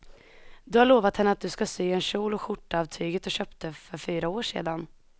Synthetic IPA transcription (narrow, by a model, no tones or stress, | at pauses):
d̪ɵhaɭoːvat̪hɛnːəat̪̚d̪ɵskasyːɛnɕuːlɔɧʊʈːɑːvt̪ʰyːɡət̪ɔɕœːpt̪əfœɾfyːɾaoːʂḛːd̪an